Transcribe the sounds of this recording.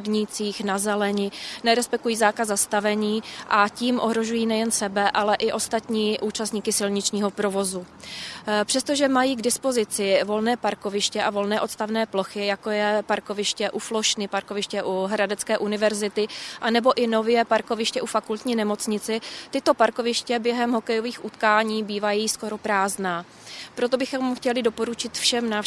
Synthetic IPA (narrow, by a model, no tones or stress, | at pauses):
ɡɲɪt͡siːxnazɛlɛɲɪnɛɾɛspɛk̪ujiːzaːkazzːast̪avɛɲiːʔaciːmʔoɦɾo̞ʒujiːnɛjɛnsɛbɛʔalɛʔɪʔo̞st̪at̪ɲiːʔuːt͡ʃast̪ɲiːkɪsɪlɲɪt͡ʃɲiːɦo̞pɾo̞vo̞zu | pr̥ɛst̪o̞ʒɛmajiːɡdɪspo̞zɪt͡sɪvo̞lnɛːpaɾko̞vɪʃcɛʔavo̞lnɛːʔo̞t̪st̪avnɛːplo̞xɪjakojɛpaɾko̞vɪʃcɛʔuflo̞ʃnɪpaɾko̞vɪʃcɛʔuɦɾadɛt͡skɛːʔunɪvɛɾzɪt̪ɪʔanɛbo̞ʔɪnovjɛpaɾko̞vɪʃcɛʔufakult̪ɲiːnɛmo̞t͡sɲɪt͡sɪt̪ɪt̪o̞paɾko̞vɪʃcɛbjɛɦɛmɦo̞kɛjo̞viːxʔut̪kaːɲiːbiːvajisko̞ɾo̞pɾaːznaː | pɾot̪o̞bɪxomxcɛlɪdo̞po̞ɾut͡ʃɪt̪fʃɛmnaːf